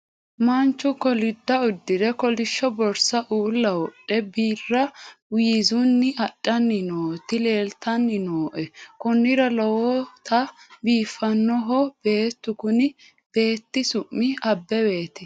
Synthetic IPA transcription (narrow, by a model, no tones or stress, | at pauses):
mɐnt͡ʃːʊkɔlɪd̪ːɐʊd̪ːɪd̪ɛkɔlɪʃːɔbɔɾsɐʔuːlːɐwɔɗːɛbiːrːɐwɪzʊnːɪɐɗʼːɐnːɪnoːt̪ɪle̞ːlt̪ɐnːɪnoːʔɛkʊnːɪɾɐlɔwɔt̪ɐbiːfːɐnːɔɦɔb̥e̞ːt̪ːʊkʊnɪ | b̥e̞ːt̪ːɪsʊʔːɪɐbːɛbe̞ːt̪ɪ